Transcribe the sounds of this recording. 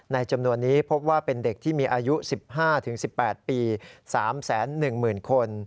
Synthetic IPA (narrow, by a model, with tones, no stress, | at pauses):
na˧jt͡ɕa˧mnu˧ənːiː˦˥pʰo˦˥p̚waː˥˩pe˧nde˨˩k̚t̪ʰiː˥˩miː˧ʔaː˧ju˦˥si˨˩p̚haː˥˩t̪ʰɯ˩˦ŋsi˨˩pːɛː˨˩t̪̚piː˧saː˩˦msɛː˩˦nːɯ˨˩ŋmɯː˨˩nkʰo˧n